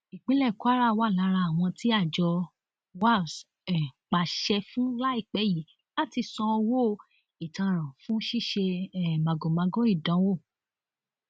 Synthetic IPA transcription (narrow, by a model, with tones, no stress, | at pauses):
i˨k͡pĩ˦lɛ˦˨ku˨˦a˦ɾa˦˨˧wa˦˨la˨˦ɾa˧a˨w̃ɔ̃˧ti˦a˦˨d͡ʒɔ˧ | wa˦˨s | ɛ˨k͡pa˨ʃɛ˧fũ˦la˦i˦˨k͡pɛ˨˦ji˨˦ | la˦˨ti˧sɔ̃˧o˧wo˦˨ | i˨tã˧ɾ̃ã˨fũ˦ʃi˦˨ʃe˧ɛ˦˨mã˨ɡo˨mã˧ɡɔ˦i˦˨dã˨˦wo˦˨